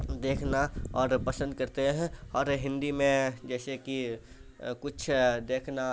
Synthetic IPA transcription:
d̪eːkʰnaɔːɾpɐsə̃nd̪̚kɐɾt̪eɦɛ̃ɔːɾɦɪ̃nd̪imẽd͡ʒɛːseki | kʊt͡ʃʰd̪eːkʰna

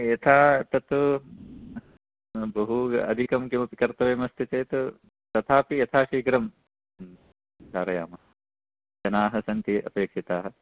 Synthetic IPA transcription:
jɐt̪ʰaːt̪ɐt̪u | bɐɦuɐ̰d̪ʱikɐmkjɐmɐpikɐɾt̪ɐʋeːmɐst̪ʰit̪eːt̪u | t̪ɐt̪ʰaːpijɐt̪ʰaːʃiːɡɾɐm | d͡ʒaːɾɐja̰ːmɐɦɐ | d͡ʒɐnaːɦɐsɐnt̪iʔɐ̰peːkʂit̪aːɦɐ

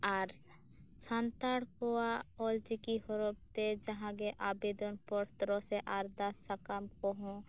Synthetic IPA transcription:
aːɾs | t͡ʃʰãːnt̪aːɽkoaɔːld͡ʒikiɦoɾop̚t̪ed͡ʒɐɦãɡeʔaːbed̪onpɔɽt̪ɾõseʔaːɾd̪asəkamkoɦõ

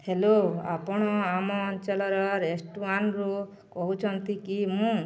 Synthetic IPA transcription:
heloa̰pɔɽ̃ɔamɔːnt͡ʃalɔɾɔɾesʈuanɾu | kɔɦut͡ʃʰɔnt̪ikimũ

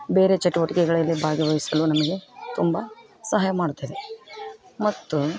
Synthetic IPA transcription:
be̞ːɾe̞t͡ʃɐʈuʋɐʈikɛɡɐɭɐlːibʱaːɡɐʋɐɦisɐlunɐmɐɡe̞t̪umbɐ | sɐɦaːjɐmaːɽut̪ːɐd̪e̞ | mɐt̪ːu

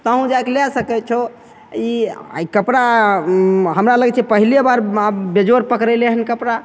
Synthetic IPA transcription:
t̪əɦũd͡ʒajkelɛsəkɛt͡ʃʰo | ḭikəpɾa | ɦəmɾaləɡɛt͡ʃʰɛpəɦilebaɾbed͡ʒoɾpəkɾɛleɦənkəpɾa

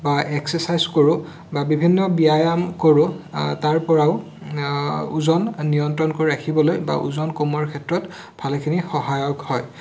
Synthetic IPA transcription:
baʔɛksɛsajzkoɹʊ | babibʱinːɔbiajamkoɹʊtaɹpɔɹaʊ | uzɔnːijɔntɹɔnkoɹiɹakʰibɔlojba̰ʔṵzɔnkomɔɹkʰɛtɹɔt | bʱalkʰinixɔɦajɔkhɔj

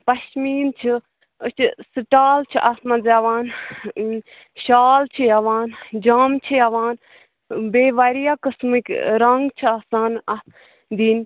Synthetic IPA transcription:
pɐʃmiːnt͡ʃʰɨ | ət͡ʃsɨʈaːlt͡ʃʰiʔat̪mɐ̃zjaʋaːn | ʃaːlt͡ʃʰijaʋaːnd͡ʒaːmt͡ʃʰijaʋaːn | beːʋaɾijakɨsmɨkʲɾɐŋɡt͡ʃʰiaːsaːnɐt̪ | d̪iːn

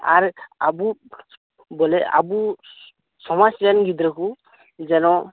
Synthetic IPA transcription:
a̰ɹa̰bu | bɔlɛa̰bu | sɔmasɾɛnɡid̪ɾakʰu | zɛnɔ

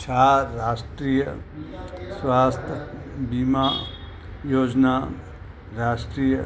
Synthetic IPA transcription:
t͡ʃʰaːɾaːsʈɾiːjə | swaːst̪ʰbima | joːd͡ʒna | ɾaːsʈɾiːjə

